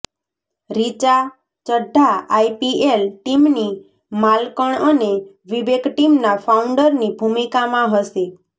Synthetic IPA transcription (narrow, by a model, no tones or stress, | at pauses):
ɾit͡ʃa | t͡ʃəɖʱːaːjpielʈimni | malkɔɳ̃əne | ʋibeɡʱʈimnapʰawɳɖəɾnibʱumikamãɦɔsi